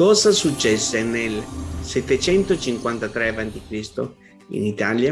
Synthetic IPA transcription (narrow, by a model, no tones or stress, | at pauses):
kɔːzasut͡ʃːɛsːenelsɛt̪ːet͡ʃɛnt̪ot͡ʃiŋkwant̪at̪ɾeavant̪ikɾist̪o | ḭnit̪alja